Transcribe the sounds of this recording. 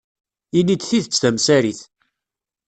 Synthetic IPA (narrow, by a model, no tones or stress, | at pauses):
inːid̪θiθət͡sːθæmsæɾiθ